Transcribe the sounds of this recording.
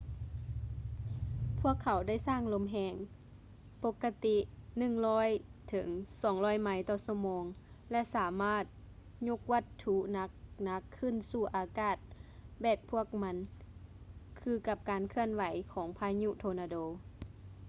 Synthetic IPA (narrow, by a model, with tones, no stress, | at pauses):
pʰu˥˩ɐkʰːa˨˩˦wda˥˨jsaː˥˩˨ŋlo˧˥mɦɛː˧˩ŋ | po˧˦kːa˧t̪i˧˥nɯ˧˨ŋlɔː˧˥˩jt̪ʰɤ˨˩˦ŋsɔː˨˦ŋlɔː˧˥˨jma˧˥jt̪ɔː˧˩sɔ˧˩moː˧˦ŋ | lɛ˧ʔsaː˨˦maː˥˩t̪̚ | ɲo˧˥k̚ʋa˧t̪ʰːu˧˥na˧˦˥kna˧˥kʰːɯ˧˥˨nsuː˧˩ʔaː˨˧kaː˧˩t̪̚bɛː˧˩t̪̚pʰu˧˥˩ək̚ma˧˥n | kʰɯː˧ka˧˦p̚kaː˨nkʰɯ˧˨ənʋa˨˦jkʰɔː˨˦ŋpʰaː˧ɲu˧˨ʔt̪ʰoː˧naː˧doː˧˦